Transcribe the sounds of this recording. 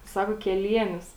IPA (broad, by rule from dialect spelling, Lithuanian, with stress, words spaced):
ˈsɑːkoː kʲɛˈlʲiɛnʲʊs